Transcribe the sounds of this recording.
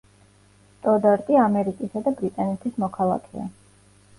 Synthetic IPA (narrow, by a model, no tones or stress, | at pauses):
t̪ʼɔd̪aɾt̪ʼiamɛɾikʼisad̪abɾit̪ʼanɛt̪ʰismɔkʰalˠa̰kʰɛ̰a̰